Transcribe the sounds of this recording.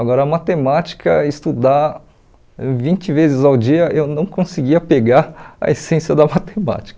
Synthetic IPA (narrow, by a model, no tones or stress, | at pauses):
aɡɔɾɐmat̪emat͡ʃi̥kɐɪst̪ud̪a | vĩnt͡ʃɪvezɪzawd͡ʒiɐʔewnɐ̃w̃kõsiɡiɐpeɡaɾɐ̰esẽsjɐd̪ɐmat̪ema̰t͡ʃi̥kɐ̥